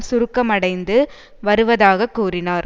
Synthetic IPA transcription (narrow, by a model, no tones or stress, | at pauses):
sʊɾɯkːɐmɐɽɐɪnd̪ɯ | ʋɐɾɯʋɐðaːɣɐkːuːrɪnaːɾ